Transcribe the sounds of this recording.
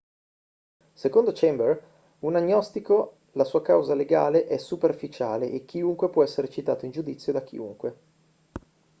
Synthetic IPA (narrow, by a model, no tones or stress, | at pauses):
sekond̪ot͡ʃɛmbɛr | unaɲːɔst̪iko | lasuːakawzaleɡa̰ːleʔɛsuperfit͡ʃaːleʔek̟ːiuŋkwepwɔɛsːeɾet͡ʃit̪a̰ːt̪oind͡ʒud̪it̪sːjod̪ak̟ḭṵŋkwe